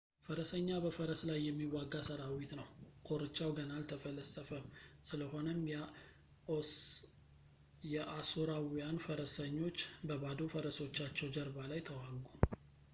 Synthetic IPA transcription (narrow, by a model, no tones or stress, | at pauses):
fəɾəsəɲːabəfəɾəslajːɛmːiwaɡːasəɾawit̪nəwkʰo̞ɾɨt͡ʃːawɡənalt̪ʰəfələsʼəfəβsɨləho̞nəm | jɛʔasuɾawijanfəɾəsəɲːo̞t͡ʃːbəbad̪ofəɾəso̞t͡ʃːat͡ʃːɛwd͡ʒəɾbalajt̪ʰəwaɡum